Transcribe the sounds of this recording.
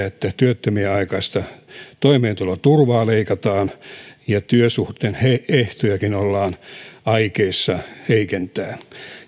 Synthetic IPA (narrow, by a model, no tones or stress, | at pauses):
et̪ːæt̪yøt̪ːømieɑikɑist̪ɑt̪oimeːnt̪ulot̪urʋɑːleikɑt̪ɑːnjɑt̪yøsuht̪eːnheeht̪ojɑkinolːɑːnɑikeisːɑheikent̪æː